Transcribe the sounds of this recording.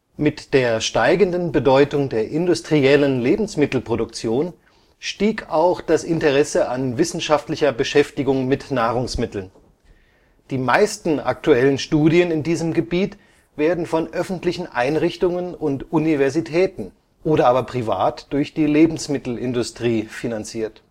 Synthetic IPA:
mɪtd̥eːɐʃtaɪɡəndən̩bədɔʏtʊŋdeːɐʔɪndʊstʁ̥iɛlənleːbm̩smɪtl̩pʁ̥odʊkt͡sjoːn | ʃtiːkʰaʊxd̥asʔɪntəʁɛsəʔanvɪsn̩ʃaftlɪçɐbəʃɛftɪɡʊŋmɪtnaːʁ̞ʊŋsmɪtl̩n | d̥iːmaɪstn̩ʔa̰k̚tuɛlənʃtuːdiənɪndiːzəmɡəbiːt | v̥eːɐdn̩fɔnʔœfn̩tlɪçn̩ʔa̰ɪnʁɪçtʊŋənʊntʔunivɛɐzitʰɛːtn̩ | ʔoːɾɐʔaːbɐpʁ̥iva̰ːtd̥ʊɐçd̥iːleːbm̩smɪtl̩ʔɪndʊstʁ̥iːfinant͡siːɐt

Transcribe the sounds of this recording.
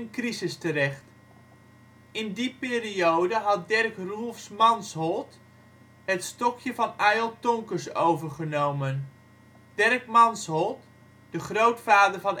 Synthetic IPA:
ənkrizəstərɛχt | ɪndipɪːriowdəɦɑt̚dɛrkrulˠfsmɑnsɦɔlˠt | ɦətstɔkʰjəvɑnɛjlˠtɔŋkəɹsowvəɹχənowmən | d̥ɛrkmɑnsɦɔlˠt | d̥əχrowtfaːdəɹvɑn

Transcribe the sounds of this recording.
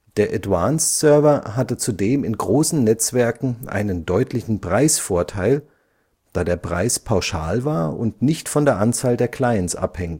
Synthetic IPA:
d̥eːɐʔɛtvanssœɐvɐɦatət͡sudeːmɪnɡʁoːsn̩nɛt͡sv̥ɛɐkŋ̩ʔa̰ɪnəndɔʏtʰlɪçn̩pʁ̥aɪsfoːɐtʰaɪl | d̥aːdeːɐpʁ̥aɪspʰaʊʃa̰ːlvaːɐʊ̰ntnɪçtfɔndeːɐʔant͡saːldeːɐkl̥aɪənsʔa̰phɛŋt

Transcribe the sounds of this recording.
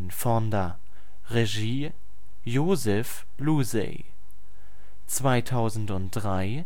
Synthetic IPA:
nfɔndɐ | ʁeʒiː | joːzɛf | luzɛ̰ | t͡sv̥aɪtʰaʊzn̩tʊnt̚d̥ʁaɪ

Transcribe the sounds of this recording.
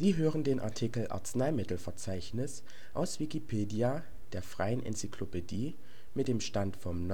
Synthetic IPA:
z̥iːɦøːʁəndeːnʔa̰ɐtʰikl̩ʔa̰ɐt͡snaɪmɪtl̩fɛɐt͡saɪçnɪs | ʔaʊsv̥ikipʰeːdia | d̥eːɐfʁ̥aɪənʔɛ̰nt͡sikʰlopʰediː | mɪt̚d̥eːmʃtantfɔmn

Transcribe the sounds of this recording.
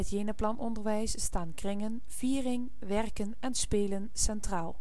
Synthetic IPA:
ɦətjeːnəplɑnʔɔndəɹʋɛjsstaːnkrɪŋən | v̥iːrɪŋ | ʋɛrkənɛnspeːlənsɛntraːlˠ

